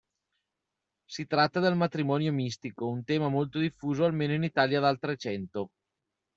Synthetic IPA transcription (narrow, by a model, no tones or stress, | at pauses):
sit̪ɾat̪ːad̪elmat̪ɾimɔːnjomist̪ikount̪ɛːmamolt̪od̪ifːuːzoalmeːnoinit̪aːljad̪alt̪ɾet͡ʃɛnt̪o